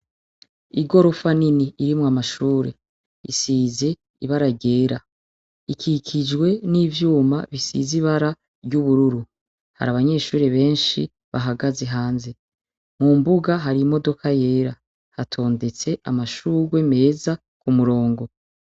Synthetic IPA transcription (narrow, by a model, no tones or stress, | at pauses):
iɡo̞ɾo̞faniniʔiɾimŋamaʃuːɾḛ | ḭsiːze̞ | iβaɾaɟe̞ːɾa | ikʰikʰid͡ʒɡwe̞nivjuːma̰βisḭziβaɾa | ɾɟuβuɾuɾu | ha̰ɾaβaɲe̞ːʃuːɾeβe̞ːnʃi | βaɦaɡaze̞ɦaːnze̞ | mumbuɡaɦaɾimo̞do̞kʰaje̞ːɾa | hatʰo̞ːnde̞t͡se̞amaʃuːɡwe̞me̞ːza | kumuɾo̞ːŋɡo̞